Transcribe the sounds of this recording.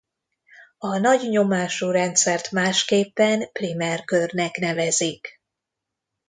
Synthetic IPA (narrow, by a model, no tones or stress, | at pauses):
ɒnɒɟɲo̞maːʃuːɾɛnt̪sɛrt̪maːʃkeːpːɛnprimɛrkørnɛknɛvɛzik